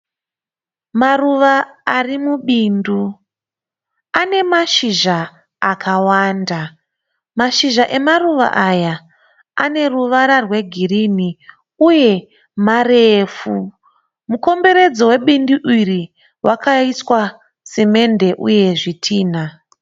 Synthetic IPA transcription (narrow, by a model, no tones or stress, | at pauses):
maruʋaːrimuɓindu | ane̞maʃiʒaː | kʰawaːnda | maʃiʒaʔe̞maruʋa̰ʔaja | ane̞ruʋaɾarwe̞ɡʱirini | uje̞ | mareːfu | muko̞mbe̞ɾe̞d͡zowe̞ɓindiʔiri | wʔakʰaiswa | seme̞nde̞ʔṵje̞ʐitʰiːna